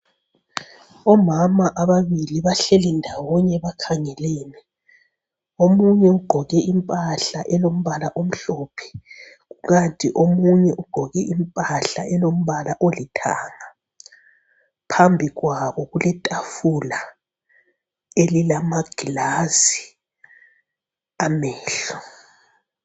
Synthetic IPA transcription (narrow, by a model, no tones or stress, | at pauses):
ɔmamaʔaβaβiliβaɬɛlindʱawɔɲɛβakʰaŋɛlɛːnɛ | omuɲɛuɡ͡ǃʱɔɣɛʔimpʼaɬaʔɛlom̩βalaʔom̩ɬopʰɛ̥ | ɣuɣantʼiʔomuɲɛʔuɡ͡ǃ̥ʱɔɣɛʔimpʼaɬaɛlom̩βalaʔolitʰaːŋa | pʰambʱiɣwaβɔɣulɛtʼafula | elilamaɡ̥ʱilazi | amɛːɬɔ̥